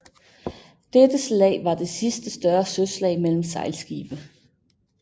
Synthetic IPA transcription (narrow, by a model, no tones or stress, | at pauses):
d̥ed̥əslɛ̰ɪʋɑ̈d̥e̝sisd̥əsd̥ɶɐsøslɛ̰ɪmel̰m̩sɑ̈ɪ̰lsɡ̥ḭːb̥ə